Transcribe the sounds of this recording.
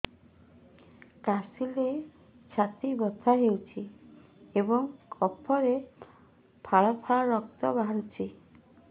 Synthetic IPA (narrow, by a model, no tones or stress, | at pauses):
kasile | t͡ʃʰat̪ibɔt̪ʰaɦewt͡ʃʰi | ebɔŋkʰɔpʰɔɾe | pʰaɭapʰaaɾɔk̚t̪ɔbaɦaɽut͡ʃʰi